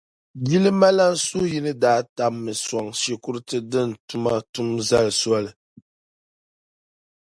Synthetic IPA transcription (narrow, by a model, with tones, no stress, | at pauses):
bi˦lɨ˦ma˦la˦n˦su˦ji˦nɨ˦daː˦ta˨mːɨ˨sɔ˨ŋʃe˨ku˦ɾɨ˦tɨ˦dɨ˦n˨tu˦ma˦tu˦mza˦lɨ˨swa˦lɨ˨